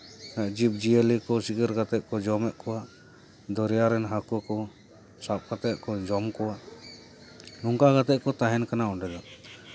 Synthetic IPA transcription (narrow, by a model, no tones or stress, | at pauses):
naʔd͡ʒip̚d͡ʒielikɔsiɡəɾɡat̪ɛʔ̚kɔd͡ʒɔmɛʔ̚kɔwaʔ | d̪ɔɾɛjaɾɛnɦakɔkɔ | sap̚kat̪ɛt̪̚kɔd͡ʒɔmkɔwaʔ | nɔŋkaɡat̪ɛʔ̚kɔt̪aɦɛnkanaɔɖɛd̪ɔ